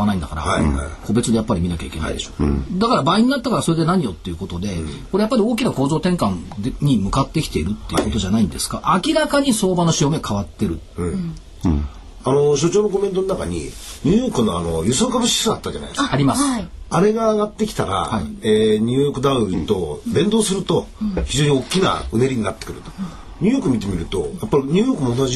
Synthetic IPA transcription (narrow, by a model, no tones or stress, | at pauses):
anaĩnd̪akaɾa̰ko̞be̞t͡sɨd̪e̞japːaɾʲimʲinakʲaike̞a̰ḭd̪e̞ɕo̞̥d̪akaɾabaːiɲ̟inat̪ːakaɾaso̞ɾe̞d̪e̞naɲ̟ijo̞t̪ːe̞jɯ̟ko̞t̪o̞d̪e̞ko̞ɾe̞japːaɾʲio̞ːkʲinako̞ːzo̞ːt̪ẽ̞ŋkãnɲ̟imɯ̟kat̪ːe̞kʲi̥t̪e̞iɾɯ̟t̪ːe̞jɯ̟̰kot̪o̞ʑanaĩnd̪e̞sɨ̥kaʔakʲiɾakaɲ̟iso̞ːbanoɕiomekʰaβat̪ːe̞ɾɯ̟̃ | ano̞ɕo̞t͡ɕo̞ːno̞ko̞me̞nt̪o̞nonaka̰ɲ̟ḭɲʲɨːjo̞ːkɯ̟noa̰no̞jɯsɨokabɯ̟ɕi̥sɨat̪ːad͡ʒa̰na̰jd̪ekaɾʲimasaɾe̞ɡaːɡat̪ːe̞kʲi̥t̪aɾa̰haieɲ̟ʲɨːjokɯ̟d̪aɯt̪o̞dẽ̞nd̪o̞ːsɨɾɯ̟t̪o̞çiʑo̞ːɲ̟io̞kʲːina̰ɯ̟neɾʲiɲ̟inat̪ːekɯ̟ɾɯ̟t̪o̥ | ɲ̟ʲɨ̟ːjoːkɯ̟mʲit̪e̞mʲiɾɯ̟t̪o̞̰japːaɾʲiɲʲɨːjo̞ːkɯ̟mo̞ːnaʑi